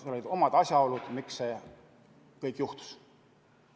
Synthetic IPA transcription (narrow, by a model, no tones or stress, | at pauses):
seo̞lid̪̥o̞mɑd̪̥ɑsʲjɑo̞lud̪̥mikse | kɤjkːjuht̪u̥s